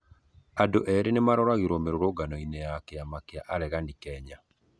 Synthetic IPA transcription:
adoʔɛɾenemaɾɔɾaɣiɾɔmeɾoɾoɡanɔinɛjakeamakeaʔaɾɛɣandikɛɲa

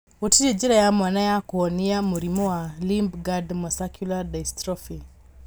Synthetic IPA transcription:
utiɾid͡ʒiɾajamwanajakuɔniamuɾimɔwalimbɡadmɔsakjuladaistɾɔfi

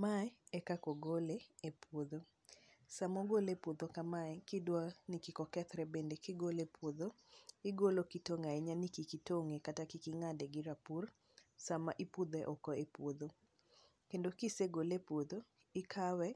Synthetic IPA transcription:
maɛɛkakɔɡoleepʰwod̪o | samɔɡolepwod̪okamaɛkɪdwanikikɔkɛt̪ɾɛbendekɪɡolepʰwoðoɪɡolokitoŋaeɲanikikitoŋekatakikɪŋadɛɡɪɾapur | sama̰ʔipud̪ɛʔɔkɔepwod̪o | kendokiseɡolepwod̪o | ɪkʰawɛ

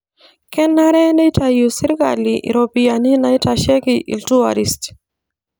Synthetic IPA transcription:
kɛnːaɾɛndetajusiɾika̰liʔḭɾopijaninaitaʃɛkiʔḭltua̰ɾist

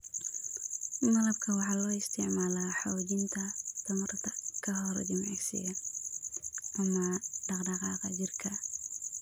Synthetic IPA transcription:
mɐlɐb̚kʰɐwɑħɑlɔːɪst̪ʰɪʕmaːlaħɔwd͡ʒɪnt̪ʰɐt̪ʰɐmɐrt̪ʰɐkʰɐɦɔɾ̰d͡ʒɪmʕɛsɪ̰jɐ | ʔɐmɐɖɑqdɑqɑqɑd͡ʒɪrkʰɐ

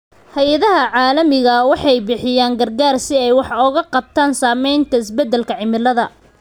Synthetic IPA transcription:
hɐjɐðɐɦɐʕɑːlɐmɪɣɐwɑħɑjbɪħɪjaːŋɡɐrɡaːrsɪɛjwɑħʊɣɐqɑb̚t̪ʰaːnsaːmɛjnt̪ʰɐɪsbɛd̪ːɛlkʰɐʕɪmɪlɐðɐ

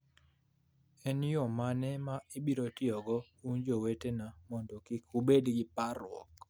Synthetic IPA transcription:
ɛnjomanɛmaibiɾotɪɔɡɔ | und͡ʒowetenamɔndɔkɪkubedɡɪpaɾwɔ̰k

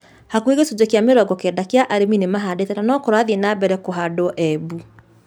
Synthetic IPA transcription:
hakueɣesud͡ʑekjameɾɔɡɔkɛndakeaʔaɾeminemaɦadetɛnanɔkɔɾwaðienabɛɾɛkoɦadoʔɛbu

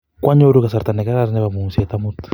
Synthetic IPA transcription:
kwaɲoɾukasaɾt̪anekaɾaɾneβamumsiet̪amut̪

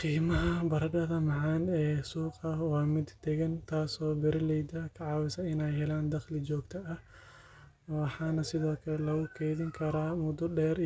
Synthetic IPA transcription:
qiːmɐɦɐbɐɾɐɡɐðɐmɑʕɑːnɛːsuːqɐwaːmɪd̪d̪ɛɣɐnt̪ʰaːsɔːbɛɾɪlɛjd̪ɐkʰɐʕɑːwɪsɐɪnɛjhɛlaːnd̪ɐχlɪd͡ʒɔːɡt̪ʰɐɐh | wɑħaːnɐsɪðɔːkʰɐlɛlɐɣʊkʰɛːðɪŋkʰɐɾaːmʊd̪ʊɖɛːɾ

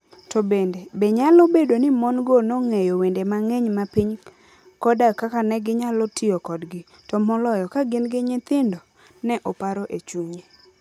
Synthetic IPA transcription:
tɔbendebeɲalɔbedonɪmɔnɡonɔŋejowendemaŋeɲmapiɲ | kɔdakakanɛɡɪɲalɔtʰiokɔdɡɪ | tɔmɔlɔjɔkaɡɪnɡɪɲɪt̪ɪndɔ | nɛʔɔpaɾɔʔet͡ʃuɲe

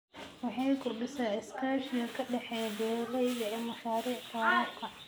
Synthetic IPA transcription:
wɑħɑjkʰʊrɖɪsaːɪskʰaːʃɪɐkʰɐɖɛħɛjbɛːlɐjɣɐɛːmɐʃaːɾiːʕk̪ʰɐʕaːkʰɐ

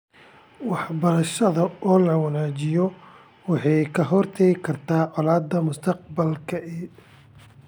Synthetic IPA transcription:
wɑħbɐɾɐʃɐðɐɔːlɐwɑnaːt͡ʃɪjɔ | wɑħɑjkʰɐɦɔrt̪ʰɛɣɪkʰɐrt̪ʰaːʕɔlaːd̪ːɐmʊst̪ʰɐq̚bɐlkʰɐʔɪ

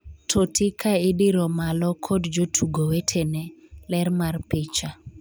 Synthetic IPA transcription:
tʰotʰɪkʰaɪdɪɾɔmalɔkʰodd͡ʒotʰuɡowetʰenɛlɛrmarpɪt͡ʃa

